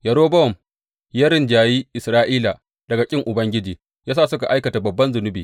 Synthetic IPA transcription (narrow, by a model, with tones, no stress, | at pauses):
jɐ˨ɾoː˦bɐ˦ɔ˨m | jɐ˦ɾɪ˨nd͡ʒaː˨jiː˦ʔɪ˨sɾaː˦ʔiː˦la˨ | d̥ɐ˨ɡa˨kʲʼɪ˦ŋʔʊ˨bɐ˦ŋɡʲɪ˦d͡ʒiː˨ | jaː˦saː˦˨sʊ˦ka˨ʔa˦jkɐ˨ta˨bɐ˨bːɐ˦nzʊ˨nʊ˦biː˨